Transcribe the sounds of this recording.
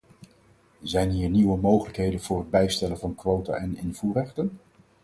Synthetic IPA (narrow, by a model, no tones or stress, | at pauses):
zɛjnɦiːɹniwəmowχələkɦejdənvʊːɹɦəd̚bɛjstɛlənvɑnkʋowta̰ʔɛnɪnvuːrɛχtən